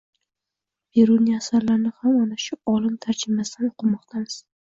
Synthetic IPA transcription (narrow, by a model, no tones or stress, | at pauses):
be̞ɾuniiasaɾlaɾnɪhamɒnaʃʊɒlɪnt̪ʰaɾt͡ʃʰɪmasɪd̪anoqʰɨmɒqt̪ʰamɪz̥